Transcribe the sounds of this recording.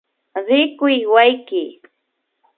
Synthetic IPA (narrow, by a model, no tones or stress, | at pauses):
ɾɪkʊjwajkɪ